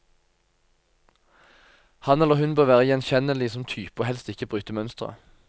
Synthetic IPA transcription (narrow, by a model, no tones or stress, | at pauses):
hɑnɛlːəʁhʉnbøːʋæːʁəjɛnçɛnəlɪsɔmt̪ʰyːpəhɛlst̪ɪkəbʁʉːt̪əmœnst̪ʁə̰